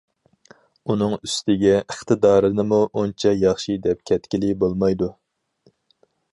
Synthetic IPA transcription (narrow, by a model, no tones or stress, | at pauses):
unɨŋyst̪ɪɡʲɛəχt̪ʰɨd̪ɑːɾɨnɨmuʔont͡ʃʰɛjɑχʃid̪ɛp̚kʲʰɛt̪kʲilɪbolˠmɑjd̪u